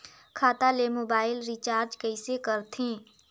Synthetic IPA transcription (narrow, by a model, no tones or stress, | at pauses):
kʰaːt̪alemoːbaːɪlɾiːt͡ʃaːɾd͡ʒkɐɪsekɐɾt̪ʰɦẽː